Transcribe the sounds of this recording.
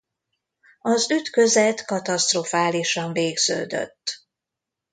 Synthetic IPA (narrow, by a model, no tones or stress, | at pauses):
ɒzyt̪kø̞zɛt̪kɒt̪ɒst̪rofaːliʃɒɱveːɡz̥ø̰ːd̪ø̰t̪ː